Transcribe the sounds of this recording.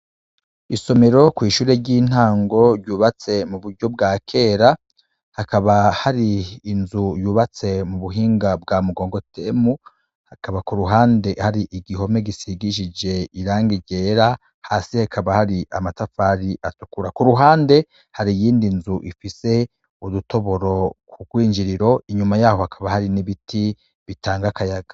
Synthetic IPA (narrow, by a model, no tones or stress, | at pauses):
iso̞me̞ɾo̞kwiːʃuːɾe̞ɟiːn̥haːŋɡo̞ɾɟuːβat͡se̞muβuɾɟo̞b̚ɡaːkʰe̞ːɾa | hakaβahaɾiːnzujuːβat͡se̞muβuɦiːŋɡabɡaːmuɡo̞ːŋɡo̞temu | hakaβakuɾuɦaːnde̞haɾiʔiɡiɦo̞me̞ɡisiɡiʃid͡ʒe̞iɾaːŋɡiɡeːɾa | haːsihakʰaβahaɾiʔamatafaːɾiʔatukuɾakuɾuɦaːnde̞ | haɾijiːndinzuʔifise̞ | uɾuto̞βo̞ɾo̞kʰuɡwiːɲd͡ʒiɾiɾo̞iɲumajaːho̞hakʰaβahaɾiniβitʰi | βitaːŋɡakajaɡḁ